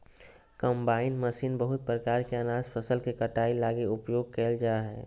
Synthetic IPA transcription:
kə̃mbaːɪnməsiːnbəɦʊt̪̚pɾəkaːɾkeənaːzpʰəsəlkekəʈaːilaːɡeʊpjoːɡ̚keːld͡ʒaːɦɛː

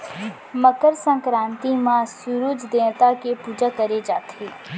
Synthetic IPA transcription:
məkəɾsə̃ŋkɾãːnt̪imãsuɾud͡ʒd̪ẽːnt̪akepuːd͡ʒakəɾed͡ʒaːt̪ʰeː

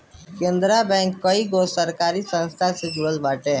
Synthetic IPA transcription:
kẽːnd̪ɾabɛ̃ŋkːəiɡosəɾkaːɾisə̃nst̪ʰasɪd͡ʒuʋəlbaːʈẽ

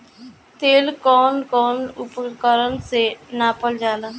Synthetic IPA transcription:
t̪eːlkɔːnkɔːnʊpkəɾənsenaːpəld͡ʒaːlaː

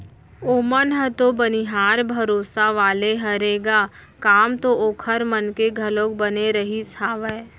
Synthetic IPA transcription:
oːmənɦət̪obəniɦaːɾbʱɐɾoːsaʋaːleɦɐɾeːɡaː | kaːmt̪ooːkʰəɾmənkeɡʱɐlõk̚bəneɾɐɦisʰaːʋɛː

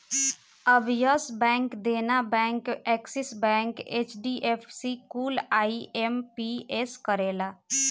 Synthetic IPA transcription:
əbjəsbɛ̃ːŋkd̪eːnabɛ̃ːŋkɛːksɪsbɛ̃ːŋkeːt͡ʃɖiːʔepʰsikuːlaːiʔempieskəɾeːlaː

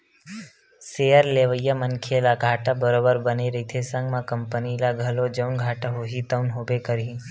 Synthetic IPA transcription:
seːəɾleːʋəjːəmənkʰelaɡʱaːʈabəɾobəɾbəneɾəɦit̪ʰesə̃ŋɡmãkəmpənilaɡʱəlod͡ʒəʊnɡʱaːʈaɦoɦit̪əʊnɦobekəɾĩ

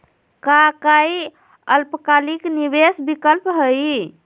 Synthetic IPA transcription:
kakai | əlpəkalikniβesbikəlpɦəj

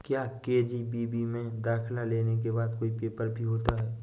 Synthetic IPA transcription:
kjaːkeːd͡ʒibiːbimẽd̪aːkʰlaleːnek̬ebaːd̪koːipeːpəɾbʱiɦoːt̪aɦɛː

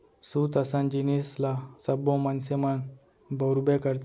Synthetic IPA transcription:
sut̪əsãnd͡ʑinislasəbõmənseməɳ | bəwɾbekəɾt̪

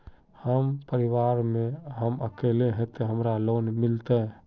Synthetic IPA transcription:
həmpəɾiwaɾmẽɦəməkeleɦet̪eɦəmɾalonmɪlt̪eɦ

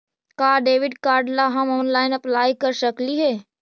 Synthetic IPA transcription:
kaːɖeːʋɪɖkaːɾɖlaɦɐmɔːnlaːɪnɐplaːjkɐɾʃəkliɦɛː

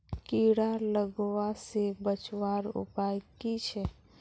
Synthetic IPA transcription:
kiɽaləɡʋasebət͡ʃwaɾṵpajkit͡ʃʰɛ

